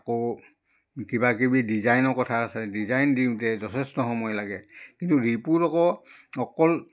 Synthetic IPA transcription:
ako | kibakibidizajnɔkɔtʰasɛdizajndiʊ̃tɛzɔtʰɛstɔxɔmɔjlaɡɛkintuɹipuɾɔkɔ | ɔkɔl

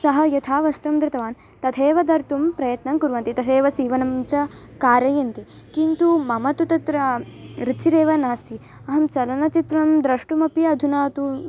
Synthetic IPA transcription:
sɐɦɐjɐt̪ʰaːʋɐst̪ɐmd̪ɾɐt̪ɐʋaːn | t̪ɐt̪ʰeːʋɐd̪ɐɾt̪umpɾɐjɐt̪nɐŋkuɾʋɐnt̪it̪ɐt̪ʰeːʋɐsiːʋɐnɐmt͡ʃɐ | kaːɾɐjɐnt̪i | kint̪umɐmɐt̪ut̪ɐt̪ɾɐɾit͡ʃʰiɾeːʋɐnaːst̪i | ɐɦɐmt͡ʃɐlɐnɐt͡ʃit̪ɾɐɐmd̪ɾɐʂʈumɐpiɐd̪ʱunaːt̪u

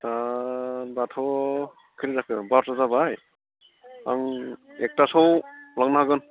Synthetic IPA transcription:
ta | batʰɔ | kʰɯɾizakʰɯbaɾtazabaj | a̰ŋek̚tasɔwlaŋnaɦaɡɯn

